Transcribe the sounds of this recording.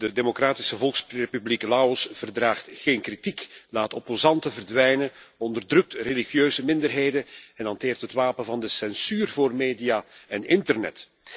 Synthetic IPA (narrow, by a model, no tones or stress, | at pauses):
dədemokɾaːtɪ̥səvɔlˠksrepybliklaɔsv̥ərdɾaːχtxeːnkritiklaːtopozɑntəvərdʋɛjnəɔndərdrɵk̚trelixjøːzəmɪndərɦeːjdənɛnɦɑnteːrtɦətʋaːpənvɑndəsɛnsyːrvoːrmeːdijaɛnɪntərnɛ̰t